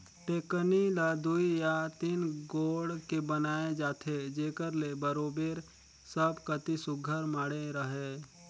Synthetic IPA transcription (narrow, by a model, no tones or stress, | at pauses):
ʈeːkənilad̪uijat̪inɡoːɽkebənaːed͡ʒaːt̪ʰed͡ʒeːkəɾlebəɾoːbeːɾ | səbkət̪isʊɡʱəɾmaːɽeɾəɦeː